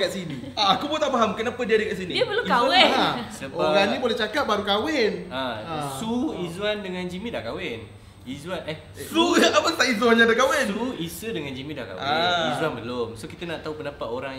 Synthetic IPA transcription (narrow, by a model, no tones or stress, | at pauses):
kaʔ̚sinĩ | aakubot̪aʔpaɦamkənapadiadikaʔs̬inĩdpərlukawɛasəboaɡanĩbolɛht͡ʃakap̚baɾukawɛnaasuizuandəŋãnd͡ʒimĩda̰hkawen | izuanɛ | suapəst̪aʔizuanɲadakawɛnuisədəŋãnd͡ʒimĩda̰hka̰aɛizuanbəlomsokit̪anaʔt̪aɦupəndapat̪oɾaŋ